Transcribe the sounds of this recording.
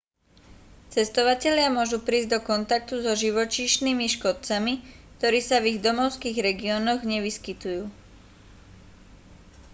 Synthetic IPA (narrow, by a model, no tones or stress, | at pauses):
t͡sɛst̪ɔʋacɛʎɪamʊɔʒupɾiːzɟd̪ɔkɔnt̪ak̚t̪uzɔʒiʋɔt͡ʃiːʃniːmiʃkɔt̪̚t͡samikt̪ɔɾiːsaviɣd̪ɔmɔʊskiːɣɾɛɡiɔːnɔɣɲɛʋiskit̪ujuː